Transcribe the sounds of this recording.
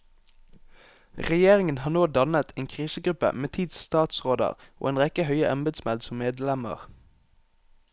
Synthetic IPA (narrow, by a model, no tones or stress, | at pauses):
ʁɛjeːʁɪŋənhɑːnoːd̪ɑnət̪ʰeːnkʰʁiːsəɡʁʉpə̰meːt̪ʰiːd̪sst̪ɑːt̪sʁoːd̪ə̰ʁo̰ːeːnʁɛkəhœʏəʔɑmbəd̪smɛld̪sɔmmeːd̪lɛmə̰ʁ